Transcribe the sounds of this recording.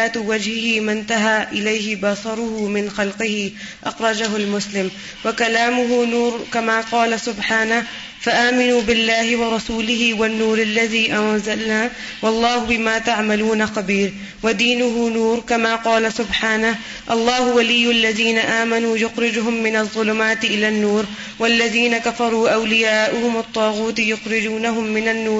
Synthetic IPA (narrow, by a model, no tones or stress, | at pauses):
aːt̪wad͡ʒhɪhɪmɪnt̪aɦaːʔɪlajhɪbɑsˤɑɾˤʊhʊmɪnxɑlqɪhɪ | ʔɑxɾˤɑd͡ʒaɦʊlmʊslɪm | wakalaːmʊɦʊnuːɾkamaːqɑːlasʊbħaːna | faʔaːmɪnuːbɪlːaːhɪwɑɾˤɑsuːlɪhɪwanːuːɾʔalːaðiːʔawazalnaː | wɑlˤːɑːhʊbɪmaːt̪aʕmaluːnaqabiːɾ | wad̪iːnʊɦʊnuːɾkamaːqɑːlasʊbħaːnah | ʔɑlˤːɑːhʊwalɪjːʔalːaðiːnaʔaːmanuːjʊxɾɪd͡ʒɦʊmːɪnɑðˤːʊlʊmaːt̪ɪʔɪlaːnːuːɾ | walːaðiːnakafɑɾˤuːʔawlɪjaːʔʊhʊmɑt̪ˤːɑːɣuːt̪jʊxɾɪd͡ʒuːnaɦʊmːɪnanːuːɾ